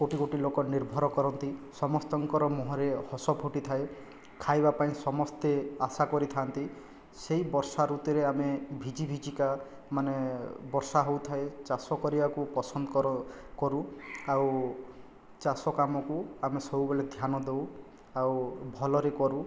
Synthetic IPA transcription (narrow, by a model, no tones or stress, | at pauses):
koʈikoʈilokɔniɾbʱɔɾɔkɔɾɔnt̪isɔmɔst̪ɔŋkɔɾɔmɔɦɔɾehɔsɔbʱuʈit̪ʰae | kʰajbapaĩsɔmɔst̪easakɔɾit̪ʰant̪i | seibɔɾsaɾut̪iɾeamebʱid͡ʒibʱid͡ʒika | manebɔɾsaɦowt̪ʰaet͡ʃasɔkɔɾibakupɔsɔnd̪ɔkɾɔ | kɔɾuaw | t͡ʃasɔkamɔkuamesɔwbeled̪ʱjanɔd̪ew | awbʱɔlɔɾekɔɾu